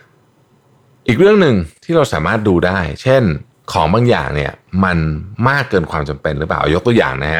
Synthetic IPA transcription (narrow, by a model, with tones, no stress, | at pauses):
ʔiː˨˩k̚ɾɯ˥˩əŋnɯ˨˩ŋt̪ʰiː˥˩ɾa˧wsaː˩˦maː˥˩t̪̚duː˧daː˥˩jt͡ɕʰe˥˩n | kʰɔː˩˦ŋbaː˧ŋja̰ː˨˩ŋni˦˥˩ɐma˧nmaː˥˩kːɤː˧nkʰwaː˧mt͡ɕa˧mpe˧nɾɯ˦˥plaː˨˩ʔa˧jo˦˥kt̪u˧əja̰ː˨˩ŋna˦˥kʰa˦˥